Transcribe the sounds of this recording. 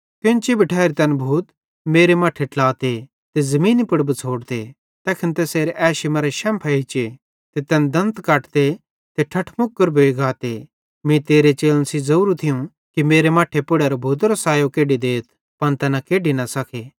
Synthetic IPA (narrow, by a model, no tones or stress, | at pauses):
kõnt͡ʃibʱiʈʰaːɾit̪ɛnbʱuːt̪ | meːɾemaːʈʰeʈlaːt̪e | t̪ezɐmĩːnipɪɽbət͡sʰoːɽt̪e | t̪ɛːkʰɪnt̪ɛseːɾeʔɛːʃimɐɾeʃɛ̃ːmpʰaɦit͡ʃe | t̪et̪ɛnd̪ɐ̃nt̪kaːʈt̪e | t̪eʈʰɐʈʰmʊkːəɾbʱoːiɡʱaːt̪e | mĩt̪eːɾet͡ʃeːlənsizɐuːɾut̪ʰɪjũ | kimeːɾemaːʈʰepʊɽeːɾobʱuːt̪̬ɾosaːjokeːɖid̪eːt̪ʰ | pɐnt̪ɛːnɐkeːɖinɐsɐkʰeː